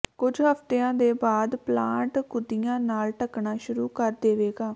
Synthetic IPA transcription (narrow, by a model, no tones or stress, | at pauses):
kʊd͡ʒɦəpt̪eːãːd̪eːbaːd̪plãːʈkʊd̪ijãːnaːlʈəknaːʃʊɾuːkəɾd̪eːʋeːɡaː